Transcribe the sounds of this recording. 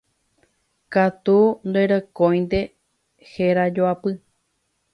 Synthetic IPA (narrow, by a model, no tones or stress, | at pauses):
kat̪und̪oeɾokõj̃nd̪e̞ | heɾad͡ʒoapɨ